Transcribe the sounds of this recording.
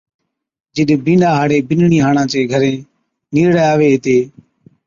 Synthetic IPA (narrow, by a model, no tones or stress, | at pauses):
d͡ʒɪɗbĩːnɗaːɦaːɽeːbɪnɳiːɦaːɳãːt͡ʃeːɡʱəɾẽː | niːɾɽeːaːʋeːɦt̪eː